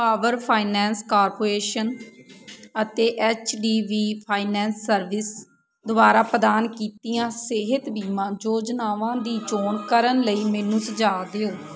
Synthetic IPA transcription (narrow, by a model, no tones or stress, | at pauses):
paːʋəɾpʰaːinɛ̃ːnskaːɾpoːɾeːʃən | ət̪eːʔɛːt͡ʃɖiːʋiːpʰaːinɛːnsːəɾʋɪs | d̪ʊbaːɾaːpəd̪aːnkiːt̪ijãːsɪɦɪt̪biːmãːd͡ʒoːd͡ʒnaːʋãːd̪iːt͡ʃoːɳkəɾənləiːmɛːnũːsd͡ʒaːd̪eoː